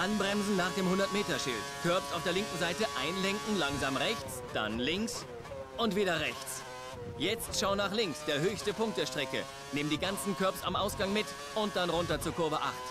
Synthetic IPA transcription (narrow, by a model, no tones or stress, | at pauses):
ʔanbʁɛmzn̩naːχd̥eːmhʊndɐtmeːtɐʃɪ̰ltkʰœɐpsaʊfd̥eːɐlɪŋkŋ̩zaɪtəʔaɪnlɛŋkŋ̩laŋzaːmʁɛçt͡s | d̥a̰nlɪŋks | ʔʊntv̥iːdɐʁɛçt͡s | jɛt͡stʃaʊnaːχlɪŋksd̥eːɐɦøːçstəpʰʊŋk̚td̥eːɐʃtʁ̥ɛkə̰ | neːməndiːɡant͡sn̩kʰœɐpsa̰mʔaʊsɡ̥aŋmɪt | ʔʊnt̚d̥anʁʊntɐt͡suːɐkʰʊɐvəʔa̰χt